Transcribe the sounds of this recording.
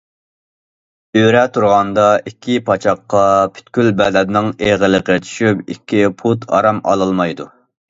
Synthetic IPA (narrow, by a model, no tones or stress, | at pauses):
øɾɛt̪ʰuɾʁɑnd̪ɑikʲʰːipʰɑt͡ʃʰɑqːɑpʰy̥t̪kʲylbɛd̪ɛnnɪŋeʁələqət͡ʃʰy̥ʃypikʲʰːipʰut̪ʰɑ̰ɾɑmɑ̰lˠɨlˠmɑjd̪u